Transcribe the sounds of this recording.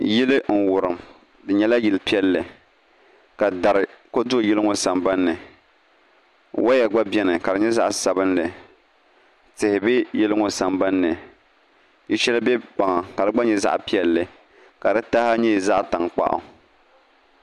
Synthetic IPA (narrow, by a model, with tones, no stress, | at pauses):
jɪ˦lɨ˦ŋ̩˨wʊ˨ɾɨ˨m | dɨ˨ɲɛ˦la˦jɪ˨lpi˦ɛ˦lːɨ˨ | ka˨da˨ɾɨ˨ko˦dʊ˦˨jɛ˦lɨ˦ŋo˨sa˨mba˦nːɨ˨ | wa˦jɛ˨ɡ͡ba˦bɛ˦nɨ˨ka˨dɨ˨ɲɛ˦za̰˦ʔsa˨bɨ˦nlɨ˨ | tɪ˨hɪ˨bɛ˦jɪ˦lɨ˦ŋo˨sa˨mba˦nːɨ˨ | ji˦ʃɛ˦la˦bɛ˦pa˨ŋa˨ka˨dɨ˦ɡ͡ba˦ɲɛ˨za̰˦ʔpi˦ɛ˦lːɨ˨ | ka˨dɨ˦ta˦ha˦ɲɛ˦˨za˦ʔta˨ŋk͡pa̰˦ʔʊ̰˨